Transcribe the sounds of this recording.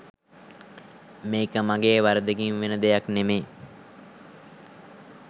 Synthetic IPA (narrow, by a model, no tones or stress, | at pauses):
meːkəmaɡeːʋaɾəd̪əɡinʋenəd̪ejaknemej